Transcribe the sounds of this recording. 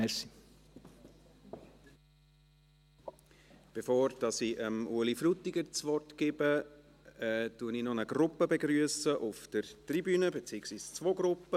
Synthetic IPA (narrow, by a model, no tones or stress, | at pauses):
ɛsi | b̥efoːɾd̥ɑsiʔəmʔuəlifɾutɪɡəɾt͡sʋɔrtɡ̥ɪbə | ɛtuəninɔnəɡ̥ɾʊpːəbeɡɾyəsəʔʊfd̥əɾtribyːnəbet͡siːəksviːst͡svoːɡɾʊpːə